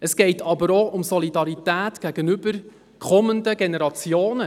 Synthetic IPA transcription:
əsɡ̥ɛɪtʰɑbəɾoʔʊmsɔlidɑɾitæːtɡ̥æɡənʏb̥əɾ | kʰɔmənd̪əɡenɛɾɑt͡sjoːnə

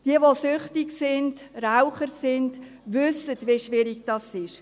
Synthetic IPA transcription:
d̥iəʋosʏχtɪksɪndraʊχəɾsɪnd | vʏsətʋeʃʋɪɾɪɡd̥ɑsɪʃ

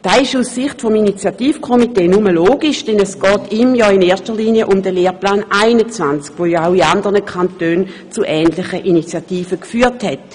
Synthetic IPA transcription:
d̥aːɪʃussɪχtfɔminit͡sjatiːfkʰomiteːnuməloːɡiʃd̥ɛnɛsɡ̥ɔːtimjɔɪneːɐʃtɐliːniəʔʊmdəleːʁplaːnʔaɪnət͡svant͡skvojɔaʊiandəʁnəkʰantøːnt͡suʔɛːntlɪχəʔinit͡sjatiːfəkfyːɐthɛt

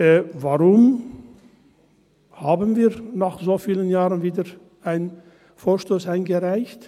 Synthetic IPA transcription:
vaʁʊm | haːbənviːɐnaːχz̥oːfiːlənjaːʁənviːdɐ | aɪn | foːɐʃtoːsaɪnɡəʁaɪçt

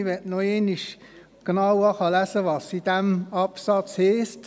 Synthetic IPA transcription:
ʋɛtnɔeːniʃ | ɡ̥nɑwɑχɑlæsəʋɑsid̥æmɑpsɑt͡shɛːst

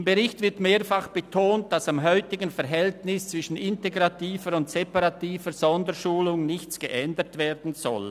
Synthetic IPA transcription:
mbəʁɪçtvɪtmeːɐfaχb̥ətʰoːnt̚d̥asamɦɔʏtɪɡənfɛɾɦɛltnɪst͡sv̥ɪʃn̩ɪnteɡʁɑtiːfəɾʊntsɛpaʁɑtiːvəz̥ɔndəʃuːlʊŋnɪçt͡sɡ̥əʔɛndətveːdn̩zɔ̰l

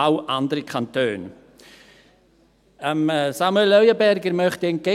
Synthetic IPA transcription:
awʔandəɾikʰantʰøːn | əmsamuɛlœɥəbɛɾɡəɾmœχtiənɡe

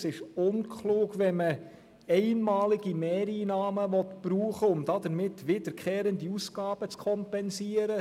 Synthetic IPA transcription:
sɪʃʊnkʰluːɡʋɛmə | ɛɪnmɑːliɡ̥imɛːɾiːnɑːməʋɔt̪b̥ɾuːχəʊmd̥ɑd̪əɾmɪtːʋɪd̥əɾkʰeːɾəndiusɡ̥ɑːb̥ət͡skʰɔmpɛnsiːəɾə

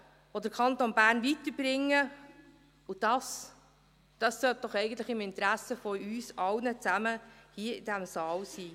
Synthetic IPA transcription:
od̪əɾkʰɑnt̪onbæːɾnvit̪əɾb̥ɾɪŋːə | ʊd̥ɑs | d̥ɑsːœt̚d̥ɔχɛɪɡən̩t̪ləχɪmɪnt̪ɾæsːəfɔyːsɑwnət͡sæməhiəɪd̥æmsɑːlsiː

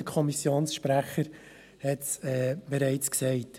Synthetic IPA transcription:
əkʰɔmisjoːnsʃpɾæχəɾ | hɛtsɛːb̥ɛɾɛɪt͡sksɛɪt

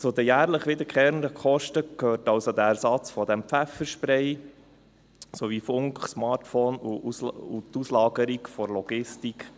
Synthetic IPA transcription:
t͡sʊd̪əjæːɾləχʋɪd̪əɾkχɛːɾnɾəkʰɔʃtəkʰøːɾtɑwsod̪ææɾsɑt͡sfɔd̪ɛmpfæfəʃpɾɛɪ | soʋifʊŋkχsmɑːtfɔːnuut̪uslɑːɡəɾikfɔɾlɔɡ̥ɪstikχ

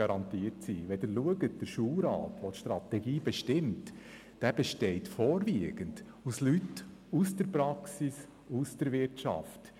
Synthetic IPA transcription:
ɑɾɑnt̪iːəɾtsiʋɛdəɾluəɡət̚d̥əɾʃuːlɾɑ̰ːtʋot̪ʃtɾɑt̪ɛɡiːb̥ɛʃtɪmt | d̥ɛb̥ɛʃtɛɪtfɔːɾviəɡ̥ənd | uslytusd̥əɾpɾɑksis | usd̥əɾvɪɾtt͡ʃɑ̰ft

